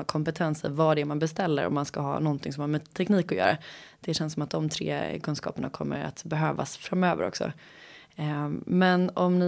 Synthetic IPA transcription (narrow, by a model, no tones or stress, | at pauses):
kʰɔmpɛt̪ʰɛnsɪ̰vɑːɖɛmanbɛst̪ɛlːəɾɔ̰mːanskaɦɑ̰ːnɔnt̪ʰɪŋsɔmhaɾmɛt̪ʰːɛkniːkɔʊjœ̰ːɾad̪̥ɛɕɛnsɔmat̪̚d̪ɔmt̪ʰɾḛːkʰɵnskɑ̰ːpəɳa̰kʰɔmːə̰ɾa̰t̪bɛɦøːva̰sfɾamøːvə̰ɾɔ̰ksɔ̰ | mɛnɔmnɪ